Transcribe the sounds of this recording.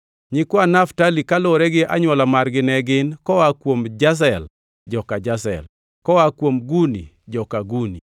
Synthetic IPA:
ɲɪkwanaftalikaloɾɛɡɪʔa̰ɲwɔlamarɡɪnɛɡɪnkɔwakwomd͡ʒas̬ɛl | d͡ʒɔkad͡ʒas̬ɛ̰l | kɔwakwomɡunḭ | d͡ʒɔkaɡuni

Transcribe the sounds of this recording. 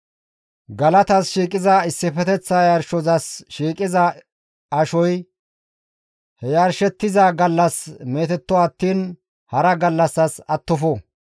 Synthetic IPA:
ɡɐlɐt̪ɐsʃiːkʼɪzaɪsːɪfɛt̪ɛt͡sːajɐɾʃɔzɐsʃiːkʼɪzɐ | ɐʃɔj | hɛjaɾʃɛt̪ːɪzaɡɐlːɐsme̞ːt̪ɛt̪ːɔɐt̪ːiːn | hɐɾɐɡɐlːɐsːɐsɐt̪ːɔfɔ

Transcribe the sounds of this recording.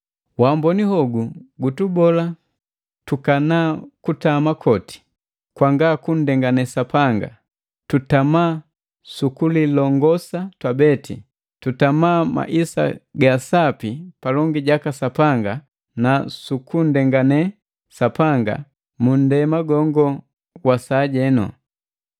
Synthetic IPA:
wambɔnihɔɡuɡutubɔla | tukanaːkutamakʰɔti̥ | kwaŋɡakun̩dɛŋɡanɛsapaŋɡa̰ | tutamaː | sukulilɔŋɡɔsatwabɛtḭ | tutamaːma̰ʔisa̰ɡasapipalɔŋɡiɟakasapaŋɡa | nasukun̩dɛŋɡanɛ | sapaŋɡa̰ | mun̩dɛmaɡɔŋɡɔ | wasaɟɛnɔ̰

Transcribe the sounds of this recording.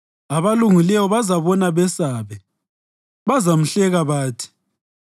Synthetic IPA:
aβaluŋilɛwɔβazaβɔnaβɛsaβɛ | βazam̩ɬɛɣaβaːtʰi̥

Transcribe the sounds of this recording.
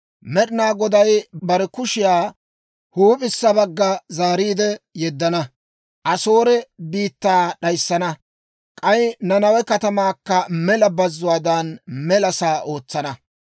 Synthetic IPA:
mɛɗɪnaːɡɔd̪ɐjbɐɾɛkʊʃɪjaː | huːpʼɪsːɐbɐɡːɐzaːɾiːd̪ɛjɛd̪ːɐnɐ | ʔɐso̞ːɾɛbiːt̪ːaːɗɐjsːɐnɐ | kʼɐjnɐnɐwɛkɐt̪ɐmaːkːɐmɛlɐbɐzːʊwaːd̪ɐnmɛlɐsaːʔo̞ːt͡sːɐnɐ

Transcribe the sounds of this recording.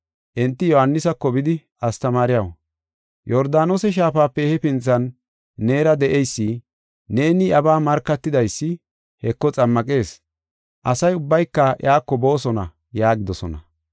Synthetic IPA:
ʔɛnt̪ːɪjɔhɐnːɪsɐkːɔbɪd̪ɪʔɐst̪ɐmaːɾɪjɐw | jɔɾd̪aːnoːsɛʃ̬aːfaːpːɛhɛpɪnt͡sːɐnː | e̞ːɾɐd̪ɛʔejsːi | ne̞ːnɪjɐbaːmɐɾkːɐt̪ːɪd̪ɐjsːɪ | hɛkːɔt͡sʼɐmːɐkʼe̞ːs | ʔɐsɐjʊbːɐjkːɐʔj̰aːkːɔbo̞ːsɔnɐ | jaːɡɪd̪ɔsɔ̰nɐ̰

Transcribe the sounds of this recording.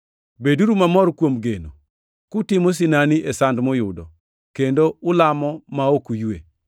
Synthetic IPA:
beduɾumamɔɾkwomɡeno | kʊtɪmɔs̬ɪnaniʔesandmɔjʊdɔ̰ | kendoʊlamɔmaokujue

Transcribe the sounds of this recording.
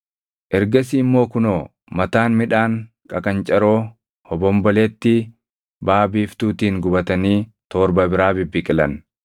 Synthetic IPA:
ʔɛɾɡɐsiːmːo̞ːkʊnoː | mɐt̪aːnmɪᶑaːŋ | kʼɐkʼɐnt͡ʃʼɐɾoː | hɔbɔmbɔleːt̪ːɪ | baːbiːft̪uːt̪iːŋɡʊbɐt̪ɐniː | t̪ɔːɾbɐbɪɾaːbɪbːɪkʼɪlɐn

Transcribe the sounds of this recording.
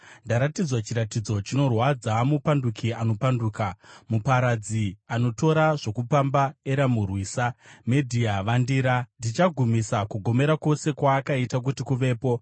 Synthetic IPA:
ndaɾatid͡zwat͡ʃiɾatid͡zo̞t͡ʃino̞rwad͡zamupandukʰiano̞panduːkamupaɾad͡ziano̞to̞ɾaʐo̞kupambaeɾamurwiːsamedʱiaʋandiːɾandit͡ʃaɡʱumisakuɡʱo̞me̞ɾako̞se̞kwaːkaitak̬utikuʋe̞ːpo̞

